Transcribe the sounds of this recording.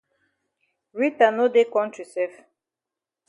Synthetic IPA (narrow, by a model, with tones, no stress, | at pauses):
ɹi˦ta˨no˦de˦kɔ̃˦nt͡ʃi˨sɛ˦f